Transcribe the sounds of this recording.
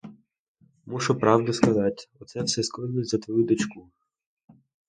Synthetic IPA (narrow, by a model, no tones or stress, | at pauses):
muʃʊpɾɑwd̪ʊskɐzɑtʲɔt̪sɛwsɛsklˠɪknˠʊtʲzɐt̪ʋɔjud̪ɔt͡ʃku